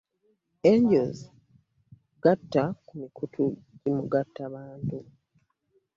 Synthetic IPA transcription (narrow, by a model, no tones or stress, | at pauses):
eɲɟoz | ɡatːakumikutʰuɟimuɡatːaβaːntu